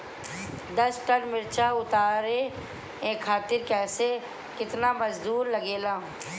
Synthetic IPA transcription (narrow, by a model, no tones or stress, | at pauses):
d̪ɐsʈəɽmɪɾt͡ʃaʊt̪aːɾẽ | ẽːkʰːaːt̪ɪɾkɛːse | kɪt̪namɐd͡ʒd̪uːɾlɐɡeːlaː